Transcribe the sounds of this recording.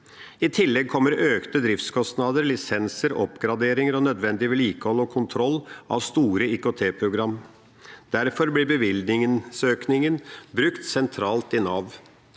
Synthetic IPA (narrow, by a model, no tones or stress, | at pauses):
ɪt̪ʰɪlːɛɡ̚kʰɔmːəɾøːkt̪əd̪ɾɪft̪skʰɔst̪nɑːd̪əɾlɪsɛnsəɾɔpɡɾɑd̪eːɾɪŋəɾɔnœd̪ʋɛnd̪ɪʋɛliːkəhɔlːɔkʰʊnt̪ʰɾɔlːɑ̰ʋst̪uːɾəikot̪ʰeːpʰɾʊɡɾɑmː | d̪̥æɾfɔɾblɪbəʋɪld̪nɪŋənsøːknɪŋənbɾʉkt̪sɛnt̪ʰɾɑːlt̪ɪnɑːʋ